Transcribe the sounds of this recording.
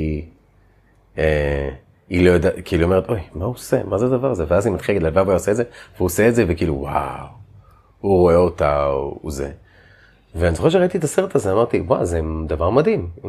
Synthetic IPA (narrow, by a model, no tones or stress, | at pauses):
e | ilojod̪akiiːluo̞me̞etʔo̞jmausḛmazead̪avaʁzeveazimat̪χilaɡd̪lalvavojaosedzevehuoseːtdzevekiːluwa̰w | uʁo̞e̞ot̪a̰ouzḛ | veanisoxeʃ̬eʁait̪it̪aseʁt̪azeamaʁt̪iwazed̪avaʁmad̪im